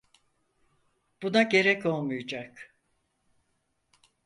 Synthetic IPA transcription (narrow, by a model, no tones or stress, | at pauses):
b̥unaɟe̞ɾɛco̞lˠmujud͡ʒak